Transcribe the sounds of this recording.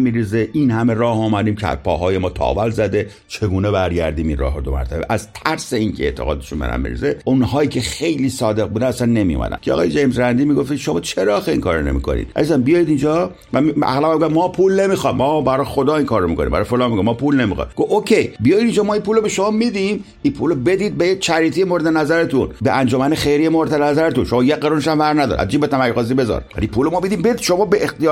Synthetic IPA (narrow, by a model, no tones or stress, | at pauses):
mːiɾizeʔinhæme̞ɾɒːhumæd̪iːmcʰeæ̰pʰɒ̰ːɦɒːjemɒːt̪ʰɒ̰ːvælzæd̪e | t͡ʃʰe̞ɡuːnebæɾɟæɾd̪iːminrɒ̰ːɦɾod̪omæ̰ɾt̪ʰæbḛʔæzt̪ʰæɾseiːncʰeeʔt̪ʰeɣɒ̰ːd̪eʃunmbḛnæ̰mːḭɾḭzeunhɒːiːcʰexejliːsɒːd̪e̞ɣ̚buːd̪ænæsænːe̞mijo̰mæ̰d̪æ̰ncʰeɒ̰ɣɒːjed͡ʒejmsɾænd̪iːmiɡo̞ft̪iʃomɒːt͡ʃʰeɾɒːxeḭŋkʰɒːɾːone̞̰mḭko̞̰nḭːd̪̚ʔæ̰zisænbijɒːid̪ind͡ʒɒ | mæiæ̰ɣlæbæmɡæmɒːpʰulne̞mixɒmɒːbæɾɒːxod̪ɒːiŋkʰɒːɾːomikonḭmbæ̰ɾjfolɑːnmiɡomɔpʰulnemḭxɑ̰jɡookʰejbijɒjid̪iːnd͡ʒɒːmɒːipʰuːlobeʃomɒːmid̪ĩm | ipʰuːlobe̞d̪iːd̪̚bejet͡ʃʰæɾiːt̪ʰijemoɾed̪enæzæɾet̪ʰunbeʔænd͡ʒɔːmænexejɾijemoɾed̪enæzæɾet̪unʃomɒːjeqeɾuneʃæmvæɾnæd̪ɒ̰ɾʔæ̰d͡ʒiːmbet̪ʰæmæɾqoziːbe̞zɒ̰ɾvæ̰lipʰuːlomɒːmid̪iːmbed̪id̪ʃomɒːbeext̪ij